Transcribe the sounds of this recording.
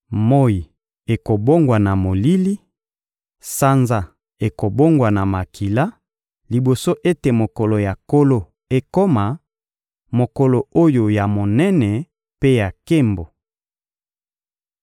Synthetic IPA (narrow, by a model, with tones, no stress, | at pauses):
mo˦i˨ | e˨ko˨bo˦ŋɡwa˨na˨mo˨li˦li˦ | sa˦nza˦ | e˨ko˨bo˦ŋɡwa˨na˨ma˨kʰi˨la˦ | li˨bo˨so˦ʔe˦te˨mo˨ko˨lo˨ja˨ko˦lo˦ | e˨ko˦ma˨ | mo˨ko˨lo˨o˦jo˨ja˨mo˨nɛ˦nɛ˨ | pe˦ja˨ke˦mbo˨